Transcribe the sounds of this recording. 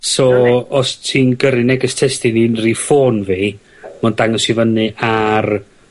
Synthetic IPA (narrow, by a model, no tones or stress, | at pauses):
sɔːɔstʰiːnɡəɾɨnɛɡɪstʰɛstɨninrifoːnviː | mɔndaŋɔsivənɨʔar